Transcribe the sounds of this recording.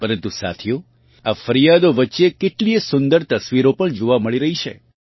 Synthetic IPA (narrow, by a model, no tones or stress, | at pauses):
pəɾənt̪usa̰t̪ʰjo | afəɾijad̪oʋətːʃekeʈliesʊnd̪əɾt̪əsʋiɾopəɳd͡ʒoʋaməɭiɾəɦit͡ʃʰḛ